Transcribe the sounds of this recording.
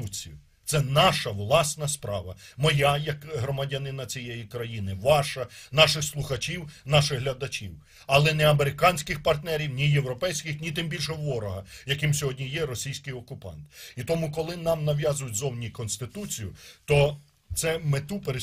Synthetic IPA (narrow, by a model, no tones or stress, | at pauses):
ut͡sʲḭjʊ | t̪sɛnɑʃɐʋlˠɑsnɐspɾɑ̰ʋɐ̰mɔjajɐkɦɾɔmɐdʲɐnɪnɐt͡sʲijejikɾɐjinɪʋɑʃɐnɑʃɪxslˠʊxɐt͡ʃʲiwnɑʃɪɣɦlʲɐd̪ɐt͡ʃʲiw | ɐlˠɛnɛɐmeɾɪkɑnʲsʲkɪxpɐrt̪nɛɾʲiwnʲijewɾɔpɛjsʲkɪxnʲit̪ɪmbʲilʲʃɛʋɔɾɔɦɐjɐkɪmsʲɔɦɔdʲnʲijɛɾɔsʲijsʲkɪjɔkʊpɑ̰nt̪it̪ɔmukɔlˠɪnɑmnɐʋʲjɑzʊjʊtʲzɔwnʲikɔnst̪ɪt̪ut͡sʲijʊt̪ɔ | t̪sɛmet̪upeɾe